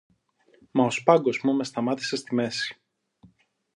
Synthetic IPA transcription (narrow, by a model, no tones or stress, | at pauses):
mɐospɐŋɡo̞zmume̞st̪ɐmɐt̪i̥se̞st̪ime̞si̥